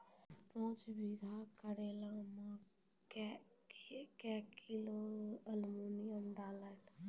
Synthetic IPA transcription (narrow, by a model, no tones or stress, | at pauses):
pɔ̃ːt͡ʃbiɡʱakəɾeːlãmã | k | kɛkiloəlmuːnijəmɖaːlaːt̪ː